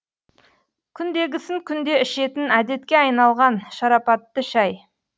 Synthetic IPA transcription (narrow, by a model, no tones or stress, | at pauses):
kʲʰʏnd̪e̞ɡʲɪsɪŋkʲʰʏnd̪e̞ʏʃe̞t̪ɪnæd̪e̞t̪kʲe̞ɑjnɑlˠʁɑnʃɑɾɑpɑt̪ːəʃɑj